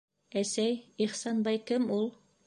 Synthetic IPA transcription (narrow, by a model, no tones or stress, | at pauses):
æsæjiχsɑnbɑjkɘmulˠ